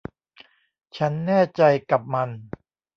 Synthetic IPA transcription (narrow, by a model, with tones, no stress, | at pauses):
t͡ɕʰa˦˥nːɛː˥˩t͡ɕa˧jka˨˩p̚ma˧n